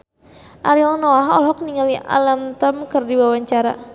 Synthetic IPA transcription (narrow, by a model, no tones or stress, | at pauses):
ʔaɾiɔlnoaɦɔ̰lɦɔk̚niŋaliʔa̰lamt̪əmkərdiwawaɲt͡ʃaɾa̰